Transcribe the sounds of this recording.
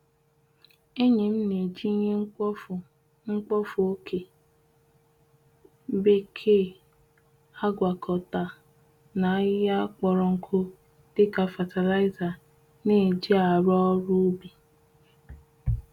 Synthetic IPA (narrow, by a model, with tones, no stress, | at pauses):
e˦ɲe˨m̩˦ne˨d͡ʒi˦ɲe˦˨ | ŋ͡m̩˦k͡pɔ˦fu˨o˦kʰe˨˦ | be˦kʰe˦ | a˦ɡʷa˨kʰɔ˨ta˨ | na˨˦ja˦k͡pɔ˨ɾɔ˨ŋ̩˨kʰʊ˦ | d̥ɪ˦ka˨fa˨ta˨la˦ɪ˦za˨ | ne˦˨d͡ʒi˦a˨ɾɔ˦ɾu˦bi˨